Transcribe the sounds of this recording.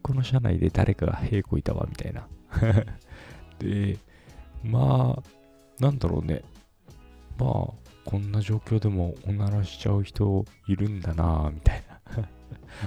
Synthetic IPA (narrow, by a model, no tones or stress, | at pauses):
ko̞no̞ɕana̰id̪e̞d̪a̰ɾʔe̞kaɡa̰he̞ːko̞it̪aβa̰mʲit̪aina | d̪̥e̞ | maː | nãnd̪aɾo̞̰ːne̞̰ | ma̰ːkʰõ̞nːaʑo̞ːkʲo̞ːd̪e̞mo̞onaɾaɕi̥t͡ɕaɯ̟çi̥t̪o̞iɾɯ̟̃nd̪anamʲit̪aina